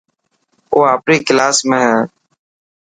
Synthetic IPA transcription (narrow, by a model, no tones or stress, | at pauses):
oːaːpɾiːkɪlaːsmẽːɦɛː